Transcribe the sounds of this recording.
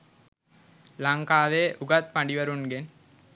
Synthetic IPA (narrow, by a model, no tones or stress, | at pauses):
laŋkaːʋeːʔuɡɐt̪̚paɳɖiʋɐɾunɡen